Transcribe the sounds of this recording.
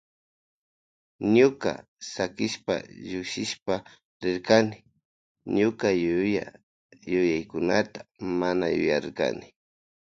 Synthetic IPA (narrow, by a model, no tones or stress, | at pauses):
ɲʊka̰ | sakɪʃpa̰ʎʊkʃɪʃpa | ɾɪɾkanɪ | ɲʊkaa | jʊjajkʊnat̪ḁmanajʊjaɾka̰nɪ